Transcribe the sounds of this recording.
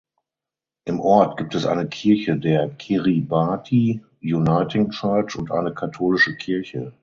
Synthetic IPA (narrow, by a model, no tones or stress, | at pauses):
ʔɪmʔɔɐt̚ɡ̥iːp̚tɛsʔa̰ɪnəkʰɪɐçədeːɐkʰeʁibaːtʰi | junaɪtɪŋt͡ʃaɐt͡ʃʊntʔa̰ɪnəkʰatʰoːlɪʃəkʰɪɐçə